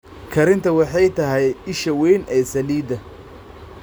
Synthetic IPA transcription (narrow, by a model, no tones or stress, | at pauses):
kʰɐɾɪnt̪ʰɐwɑħɑjt̪ʰɐɦɛjɪʃɐwɛjnɛːsɐliːd̪ɐ